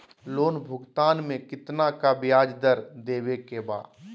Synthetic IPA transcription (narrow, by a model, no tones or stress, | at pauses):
loːnbʱʊɡt̪aːnmẽkɪt̪nakabɪjaːd͡ʒd̪əɾd̪eːwekeba̰ː